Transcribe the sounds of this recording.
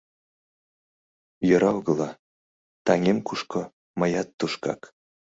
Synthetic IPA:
jøɾɑwɣɤ̆lɑ | t̪ɑŋemkuʃko | məjɑt̪ːuʃkɑ̰k

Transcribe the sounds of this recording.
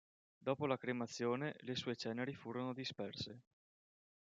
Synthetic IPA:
d̪ɔːpolakɾemat̪sːjoːnelesuːet͡ʃɛːneɾifuːɾonod̪ispɛrse

